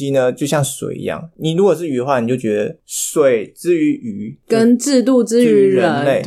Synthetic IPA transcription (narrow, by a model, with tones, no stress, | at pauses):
i˥nə˧t͡ɕjo˥˧ʊɕjɑ˥˩ŋswḛ˨˩ɪḭ˧˥jɑ̰˥˩ŋni˨˩ɻu˧˥kwɔ˨˩ʂ̬ɻ̩˥˩y˨˧˥ə˦xwa˥˩ni˨˩t͡ɕjo˥˩ʊt͡ɕɥɛ˧˥d̪ə˧swe˨˩ɪʈ͡ʂɻ̩˥y˧˥y˧˥kə˥nʈ͡ʂɻ̩˥˧t̪̬u˥˩ʈ͡ʂɻ̩˥y˧˥ɻə˧ə˦˧˦nle˥˩ɪ